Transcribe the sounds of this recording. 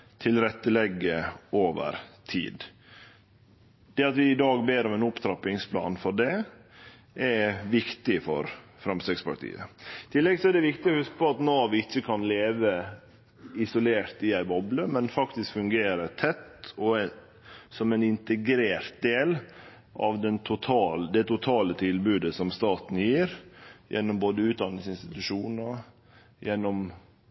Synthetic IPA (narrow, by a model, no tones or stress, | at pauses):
t̪ʰɪlɾɛt̪ːəlɛɡːəoːʋə̰ɾt̪ʰḭːd̪ | d̪̥ɛɑt̪ʋɪɪd̪ɑːɡbeːɾɔmɛnʊpt̪ʰɾɑpɪŋspʰlɑ̰ːnfɔɖɛ | ʔɛʋɪkt̪ɪfɔ̰ɾfɾɑmst̪ɛɡspɑ̰ʈ̪ʰḭːə̰t̪ʰɪlːɛɡsɔɛɖ̪ɛʋɪkt̪ɪɔhʉskə̥pʰɔɑt̪noːʋɪɪçːəkʰɑnleːʋə | ɪsʊleːɾt̪ɪæɪbɔbləmɛnfɑkt̪ɪskfʉŋɡeːɾət̪ʰɛt̪ɔ | sɔmænɪnt̪əɡɾeːɾt̪̚d̪eːl | ʔɑ̰ʋd̪ɛnt̪ʰʊt̪ʰɑːld̪ɛt̪ʊt̪ʰɑːlət̪ʰɪlbʉːd̪əsɔmst̪ɑːt̪n̩jiːɾjɛ̰nːɔmboːd̪əʉːt̪̚d̪ɑnːɪŋsɪnst̪ɪt̪ʉʂuːnə | jɛnːɔm